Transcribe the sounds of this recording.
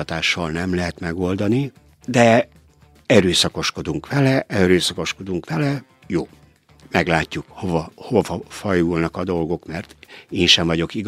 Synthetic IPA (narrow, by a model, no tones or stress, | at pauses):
ɒt̪aːʃːɒlnɛmlɛɦɛt̪mɛɡo̞ld̪ɒni | d̪ɛ | ɛɾøːsɒko̞ʃko̞d̪uŋkʋɛlɛʔɛɾøːsɒko̞ʃko̞d̪uŋkʋɛlɛ | joː | mɛɡlaːcːukhovɒhovɒfɒjulnɒkɒd̪o̞lɡo̞kmɛrt̪eːnʃɛɱvɒɟo̞kiɡ